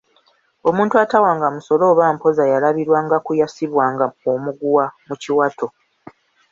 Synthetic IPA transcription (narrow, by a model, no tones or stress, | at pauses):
o̞mũːntuatawaːŋɡamuso̞lo̞ːβaːm̩po̞zajalaβiɾwaːŋɡakujasiβwaːŋɡaomuɡuwamuciwatʰo̞